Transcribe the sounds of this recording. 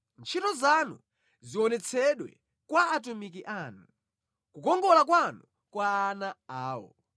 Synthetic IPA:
nt͡ʃʰitɔzanṵ | ziɔnɛt͡sʰɛɗwɛ̰ | kwaːt̬umikiʔanu | kukɔŋɡɔlakwanu | kwaːnaaːwɔ̰

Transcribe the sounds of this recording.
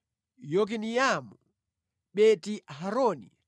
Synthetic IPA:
jɔk̬inijamu | ɓɛtiɦaɾɔnḭ

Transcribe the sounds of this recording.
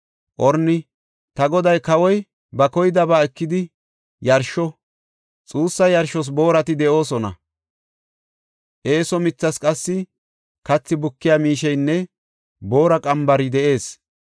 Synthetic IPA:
ʔɔɾnːɪ | t̪ɐɡɔd̪ɐjkɐwɔj | bɐkɔjɪd̪ɐbaːɛkːɪd̪ɪ | jɐɾʃɔ | t͡sʼuːsːɐjɐɾʃɔs̬bo̞ːɾɐt̪ɪd̪ɛʔo̞ːsɔnɐ̰ | ʔe̞ːsɔmɪt͡sːɐskʼɐsːɪ | kɐt͡sːɪbʊkːɪjaːmiːʃɛjnːɛ | bo̞ːɾɐkʼɐmbɐɾɪd̪ɛʔe̞ːs

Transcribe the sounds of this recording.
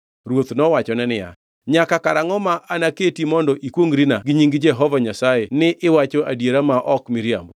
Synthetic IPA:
ɾwot̪nɔwat͡ʃɔnɛnɪja̰ | ɲakakaɾaŋɔmaʔanaketimɔndɔʔikwoŋɾinaɡɪɲiŋɡd͡ʒɛɦɔvaɲasajenɪʔɪwat͡ʃɔʔadjeɾamaʔɔkmɪɾja̰mbo

